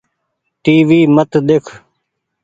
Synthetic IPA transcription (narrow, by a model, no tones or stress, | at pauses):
ʈiːʋiːmət̪d̪ekʰ